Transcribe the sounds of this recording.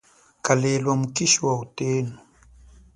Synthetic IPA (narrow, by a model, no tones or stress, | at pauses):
kalelwamukiʃiwauteːnu